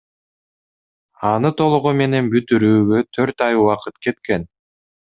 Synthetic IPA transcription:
ɑnɯt̪ʰo̞lˠuʁume̞ne̞nbyt̪yɾyːɡøt̪ʰø̞ɾt̪ɑjuɑqɯt̪ke̞t̪ke̞n

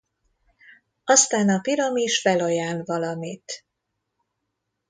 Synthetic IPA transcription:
ɒst̪aːnɒpiɾɒmiʃfɛlojaːlvɒlɒmit̪

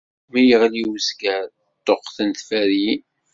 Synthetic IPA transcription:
mijəʁliwəskæ | t̪ˤːoqθənt̪fæɾi

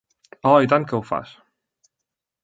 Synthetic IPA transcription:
ɔit̪ankəwfa̰s

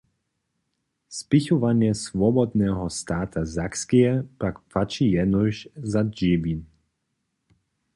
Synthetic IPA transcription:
spɪçɔvanjɛsvɔbɔd̪nɛɦɔst̪aːt̪ʰazakskɛjɛpakpfat͡ʃijɛnɔʃzad͡ʒiːbin

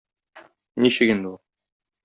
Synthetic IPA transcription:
niɕɘkind̪ɘulˠ

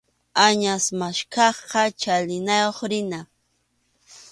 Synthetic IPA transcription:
aɲasmaʃkɑχqɑt͡ʃalɪnajoχɾɪna

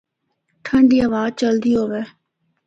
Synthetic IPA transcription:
ʈʰəɳɖiːəʋaːd̚t͡ʃəld̪iːɦoːʋeː

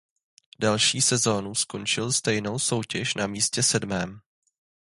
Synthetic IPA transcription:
dalʃiːsɛzo̞ːnusko̞nt͡ʃɪlst̪ɛjno̞wso̞wcɛʃnamiːscɛsɛdmɛːm

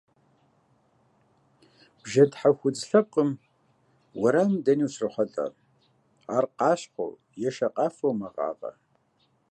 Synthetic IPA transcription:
b̥ʒɐdħaxʷʊd͡zɬɐp̚qʼəm | wɐɾaːmdɐniɕrɨχʷɐtʼɐ̰ | aːrqɑːɕħʷo̰w | jɛʃɐqʼɑːfowmɐʁɑ̰ːqʼɐ̰

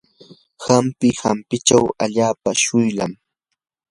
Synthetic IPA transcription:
xampɪxampɪt͡ʃawaʎaːpaʃʊjla̰m

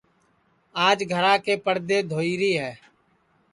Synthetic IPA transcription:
aːd͡ʒɡʱəɾãːkeːpəɽd̪eːd̪ʱoːiːɾiːɦɛː

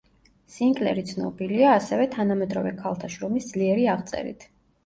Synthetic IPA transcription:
siŋkʼlɛ̰ɾit̪sʰnɔ̰biliaːsɛvɛt̪ʰanamɛd̪ɾɔvɛkʰalˠt̪ʰaʃɾɔmisd̪zliɛɾiaʁt̪sʼɛ̰ɾḭt̪ʰ

